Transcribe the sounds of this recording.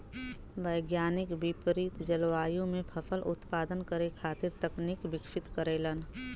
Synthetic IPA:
ʋəjɡjaːnɪkbɪpɾit̪d͡ʒəlʋaːjõmẽpʰɐpʰəlʊ̰t̪paːd̪ənkəɾekʰaːt̪ɪɾt̪ɐknikbɪkʃɪt̪kəɾeːlən

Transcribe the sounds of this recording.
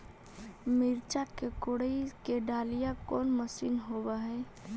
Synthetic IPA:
mɪɾt͡ʃakekoɽəikeɖaːlijakɔːnməsiːnɦobaɦɛː

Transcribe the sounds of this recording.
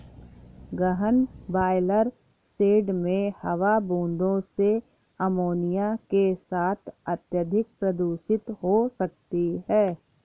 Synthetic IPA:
ɡəɦənbaːɪləɾ | seːɖmẽhɐʋabũːnd̪ʱõse | ɐmoːnijakesaːt̪ʰɐt̪jəd̪ʱɪk̚pɾɐd̪uːsɪt̪ɦosɐk̚t̪iɦɛː

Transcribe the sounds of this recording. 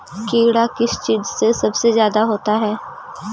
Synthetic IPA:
keːɽakɪst͡ʃiːzsesəbsezjaːd̪aɦoːt̪aːɦɛː

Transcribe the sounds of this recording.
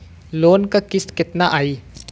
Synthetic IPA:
lonkakisket̪̚naʔɐj

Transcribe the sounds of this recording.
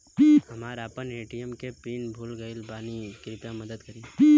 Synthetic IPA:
piɦɐmaːɾaːpəneːʈijəmkepiːnbʱuːlɡəɪlbaːnikɾɪp̪ãmɐd̪əd̪kɐɾiːi

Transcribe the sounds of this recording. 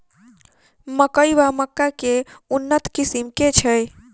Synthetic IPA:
məkəjʋaməkːakeunːət̪kisimket͡ʃʰəj

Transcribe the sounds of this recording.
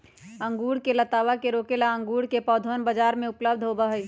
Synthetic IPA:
ɐ̃ŋɡuːɽkelɐt̪aːʋakeɾoːkelaə̃ŋɡuːɽkepɔːd̪ʱonbəd͡ʒaːɾmẽʊpləb̚d̪ʱɦoːbaɦəi

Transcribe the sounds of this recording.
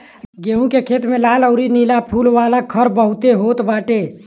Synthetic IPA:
ɡeɦũkekʰeːt̪mẽlaːləʊɾinilapʰulʋalakʰəɾbəɦut̪eɦot̪baːʈe

